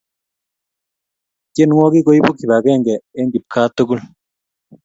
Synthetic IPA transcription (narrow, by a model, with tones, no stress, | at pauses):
kje˦nŋo˦ɡi˦ɡo˦jbu˦ki˨βa˨ɡe˦˨ŋɡe˨e˦ŋɡi˨p̚kʰa˦t̪u˦ɡu˦l